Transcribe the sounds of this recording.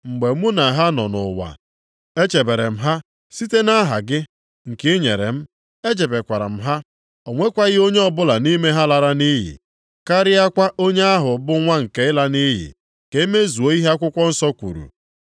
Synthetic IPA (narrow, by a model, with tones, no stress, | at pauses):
ŋ͡m̩˨ɡ͡be˨˦mu˦na˨ɦa˦nɔ̰˨nʊ̰˨wa̰˨ | e˦t͡ʃe˨be˨ɾe˨m̩˦ɦa˦ | si˦te˦na˦ɦa̰˨ɡɪ˦ | ŋ̩˨kɪ˦ɲe˨ɾḛ˨m̩˦ | e˦d͡ʒe˨be˨kʷa˨ɾa̰˨m̩˦ɦa˦ | ɔ˨ŋʷe˦kʷa˦ɣɪ˦o˦ɲe˦ɔ˦bʊ˦la˨ni˦me˦ɦa˦la˦ɾa˦ni˦ɦḭ˨ | ka˦ɾɪ˦a˦kʷa˦ʔo˦ɲe˦a˦ɦʊ˨bʊ˦ŋʷa˦ŋ̩˨ke˨ɪ˦la˦ni˦ɦḭ˨ | ke˦me˦zu˨o˦i˦ɦe˦a˦kʷʊ˦kʷɔ˦n̩˦sɔ˦kʷṵ˨ɾṵ˨